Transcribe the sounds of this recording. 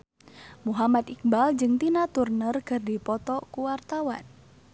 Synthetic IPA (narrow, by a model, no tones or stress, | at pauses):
muɦamat̪ik̚bald͡ʒɨŋt̪inat̪urnərkɨrdipɔt̪ɔkuwart̪awa̰n